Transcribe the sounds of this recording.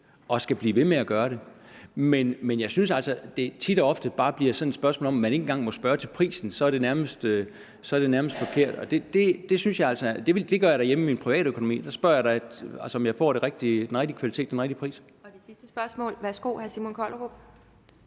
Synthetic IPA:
ɒ̽sɡ̥æb̥liːʋe̝meæɡ̥ɶːɐɾe̝menmenjɑ̈ɪsynsæl̰sɒd̥e̝t͡sʰid̥ɒɒ̽fd̥əb̥ɑ̈ːb̥liɐsɒ̽ned̥sb̥ɶɐsmo̰ːlɒ̽mæne̝ŋŋ̩ɡ̥ɑ̈ŋ̰mɒ̽sb̥ɶːɐt͡sʰe̝lpʰʁḭːsn̩sɒ̽æɐɾ̥e̝næɐməsd̥ø | sɒ̽ɐd̥e̝næɐməsd̥fɒ̽kʰe̝ɐ̰d̥ɒ̽d̥e̝d̥e̝d̥e̝synsjɑ̈ɪælsɒd̥e̝ʋd̥e̝ɡ̥ɶɐjɾ̥æɐjemiminpʰʁiʋɛ̰ːɾ̥økʰonomḭːd̥ɑsb̥ɶɐjɑɪɾɑ̥̈æl̰səɒ̽mjɑ̈ɪfɒ̰ːɾ̥eʁɛɡ̥̚d̥id̥enʁɛɡ̥̚d̥ikʰʋælit͡sʰe̝̰ːd̥enʁeɡ̥̚d̥ipʰʁḭːs | d̥esisd̥əsb̥ɶɐsmɔ̰̽ːlʋæsɡ̥o̰ːhæɐsimonkʰɒlʁo̥

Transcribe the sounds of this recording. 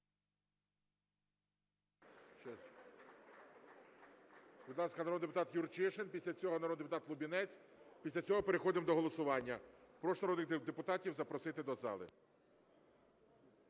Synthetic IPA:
b̥ʲid̪lˠɑskɐnɐɾɔd̪d̪epʊt̪ɑt̪jurt͡ʃɪʃenpʲisʲlʲɐt͡sʲɔɦɔnɐɾɔd̪d̪epʊt̪ɑt̪lˠʊbʲinɛt͡sʲ | pʲisʲlʲɐt͡sʲɔɦɔpeɾexɔd̪ɪmd̪ɔɦɔlˠɔsʊʋɑnʲːɐpɾɔʃnɐɾɔd̪nɪd̪epʊt̪ɑtʲiwzɐpɾɔsɪt̪ɪd̪ɔzɑ̰lˠɪ̰

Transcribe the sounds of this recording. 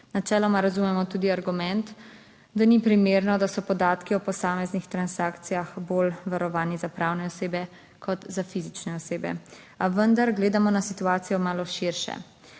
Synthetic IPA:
nat͡ʃɛːlɔmaɾazumɛmɔt̪uːd̪iaɾɡumɛnt̪ | d̪anipɾimeːɾnɔd̪asɔpɔd̪aːt̪kiɔpɔsaːmɛznixt̪ɾansaːkt̪sijaxbolʋaɾɔʋaːnizapɾaːwnɛɔseːbɛ | kʰɔt̪zafizit͡ʃnɛɔseːbɛ̰ | aʋənd̪aɾɡleːd̪amɔnasit̪uaːt̪sijɔmaːlɔʃiɾʃɛ̰

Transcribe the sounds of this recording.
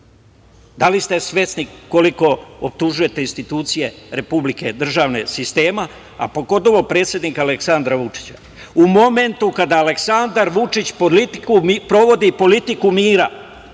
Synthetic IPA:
d̪alist̪e̞sʋe̞sniko̞liko̞op̚t̪uʒuje̞t̪einst̪it̪uːt̪sije̞ɾe̞publike̞̰d̪r̩ʒaːʋne̞̰sist̪e̞ːma | a̰po̞ɡo̞t̪̬o̞ʋo̞pɾe̞ːt̪sje̞d̪nikaleksand̪ɾaʋut͡ʂi̥t͡ɕa | umo̞me̞nt̪ukad̪aːle̞ksand̪aɾʋut͡ʂit͡ɕpolit̪ikupɾo̞ʋo̞d̪ipo̞lit̪ikumiːɾa

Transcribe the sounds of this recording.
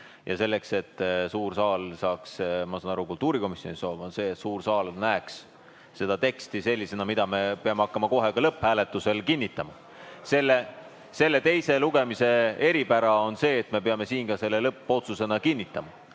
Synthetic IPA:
jɑ̰se̞lːe̞kse̞t̪ːsuːrsɑːlsɑːksmɑsɑːnɑɾukult̪ːˑuːɾiko̞misjo̞niso̞ːvonse̞ːet̪suːrsɑːlnæeks | se̞d̪̥ɑt̪e̞kst̪ise̞lʲːise̞nɑmid̪̥ɑme̞peɑmeɑkːɑmɑko̞ɦe̞kɑlɤpːhæːle̞t̪ːˑuse̞lkinʲːit̪ːˑɑmɑ | se̞lːe | se̞lːe̞t̪e̞jse̞luɡ̥e̞mise̞e̞ɾipæɾɑo̞nse̞ːt̪ːme̞pe̞ɑme̞siːnkɑse̞lːe̞lɤpːo̞t̪suse̞nɑkinʲːit̪ːˑɑmɑ

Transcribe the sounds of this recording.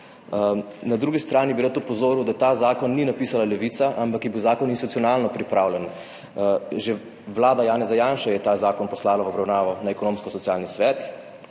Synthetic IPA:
nad̪ɾuːɡist̪ɾaːnibiɾat̪ɔpɔzoːɾuwd̪at̪aːzaːkɔnːinapiːsalalɛʋit̪saʔampakjɛbiwzaːkɔninst̪it̪u̥tsijɔnaːlnɔpɾipɾaːwlʲɛn | ʒe | ʋlaːd̪ajaːnɛzajaːnʃajɛt̪azaːkɔnpɔslaːlaʋɔbɾawnaːʋɔnaɛkɔnoːmskɔsɔt̪jaːlnisʋɛːt̪

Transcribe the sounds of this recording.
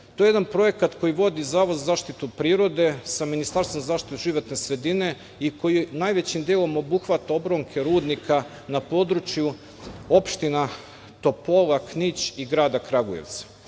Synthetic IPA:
t̪ojee̞d̪anpɾo̞je̞kat̪ko̞jiʋo̞d̪izaːʋod̪zazaːʃt̪it̪upɾiːɾo̞d̪e̞saminist̪aɾst̪vonzazaːʃt̪it̪uʒiʋo̞t̪ne̞sɾe̞d̪ine̞ | iko̞jinaːjʋet͡ɕimd̪jeːlˠo̞mo̞buxʋat̪ao̞bɾo̞ŋkʰe̞ɾuːd̪nikʰa | napo̞d̪ɾut͡ʃju | o̞pʃt̪ina | t̪o̞po̞laknit͡ɕiɡɾaːd̪akɾaɡojeʋt̪sḁ

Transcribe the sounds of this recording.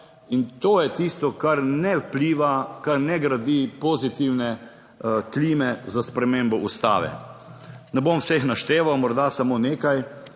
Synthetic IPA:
int̪oːjɛt̪iːst̪ɔkaɾnɛwpliːʋakaɾnɛɡɾad̪iːpoːzit̪iwnɛ | kliːmɛzaspɾɛmeːmbɔʔust̪a̰ːʋɛ̰ | nɛbomwsexnaʃt̪eːʋawmɔɾd̪asamoːneːkaj

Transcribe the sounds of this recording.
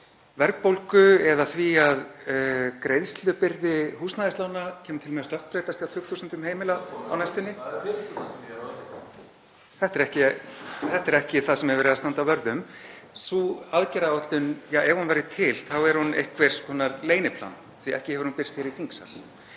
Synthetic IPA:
vɛɾk̚powlkʏɛðaθviað | kɾeːjðst̪lʏpɪɾðɪhuːsnaðɪst̪laːwnacʰɛːmʏt̪ʰɪlmɛast̪œhk̪pɾeːjt̪ast̪iawt̪ʏkt̪uːsɛnt̪ʏmheːjmɪlaawnajst̪ʏnːɪ | θɛht̪ɛɾɛhcɪθɛht̪ɛɾɛhcɪθaðsɛmɛɾvɛːɾɪðast̪ant̪avœɾðʏmsuaðcɛɾaɔt̪lʏnjaːɛɣhunvɛɾðɪt̪ʰɪlθawɛɾhunejhkʰvɛɾ̥skʰɔːnaɾleːjnɪpʰla̰n | θviɛ̰hcɪhɛvʏɾ̥hunpɪɾ̥st̪jɛɾiθiŋksa̰l

